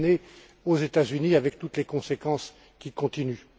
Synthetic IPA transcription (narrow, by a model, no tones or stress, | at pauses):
ne | ozet̪azyniavɛk̚t̪ut̪lekɔ̃sekɑ̃s | kʲikɔ̃t̪iny